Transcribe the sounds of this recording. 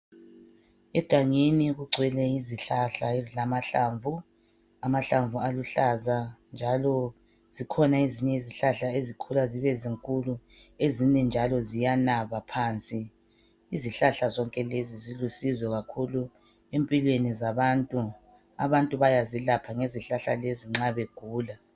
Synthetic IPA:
ɛɡ̥ʱaŋeniɣuɡ͡ǀʱwɛlɛiziɬaɬaezilamaɬaːɱvu | amaɬaɱvualuɬazand͡ʒʱalɔ | z̥ikʰɔnaiziɲɛiziɬaɬaezikʰulaziβɛziŋkʼulu | ezinɛnd͡ʒʱalɔzijanaβapʰaːnt͡sʼiː | ziɬaɬazɔŋkʼɛlezizilusizɔɣakʰulu | empʼilwenizaβantʼu | a̰βantʼuβajazilapʰaŋeziɬaɬaleziŋ͡ǁaβeɡ̥ʱuːla

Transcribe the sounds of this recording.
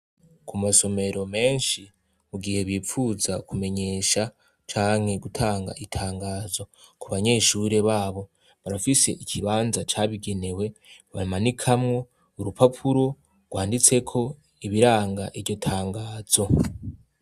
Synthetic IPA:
kʰumaso̞me̞ɾo̞me̞ːnʃi | uɡihe̞βiːp͡fuzakume̞ɲe̞ːʃa | t͡ʃaːŋhe̞ɡutʰaːŋɡa̰ʔitʰaːŋɡaːzo̞ | kuβaɲe̞ːʃuɾe̞βaːβo̞ | βaɾafise̞̰ʔicʰiβaːnzat͡ʃaβiɡe̞ne̞we̞βa̰manikʰamŋo̞ | uɾupapʰuɾo̞ | ɡ̥waːndit͡se̞kʰo̞ | iβiɾaːŋɡaʔivɟo̞tʰaːŋɡaːz̥o̞

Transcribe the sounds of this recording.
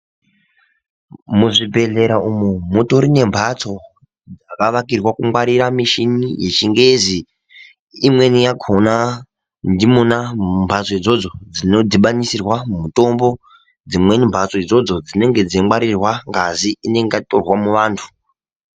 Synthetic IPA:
muʐibʱe̞ɮe̞ɾaumumuto̞ɾine̞mbʱat͡so̞ | d͡zakaʋakirwakumwaɾiɾamiʃinije̞t͡ʃiŋɡe̞zi | imwe̞nijaɡʰʱona | ndimunambʱat͡so̞id͡zo̞d͡zo̞d͡zino̞d͡ziɓanisirwamumuto̞mbo̞ | d͡zimwe̞nimbʱat͡so̞id͡zo̞d͡zo̞d͡zine̞ŋɡe̞d͡ziimwaɾirwaŋɡaziʔine̞ŋɡatorwamuʋaːntʰu̥

